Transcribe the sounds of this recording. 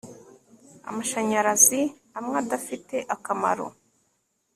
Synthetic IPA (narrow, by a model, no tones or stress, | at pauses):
a̰maʃaɲaɾazi | amŋadafite̞ʔakama̰ɾo̰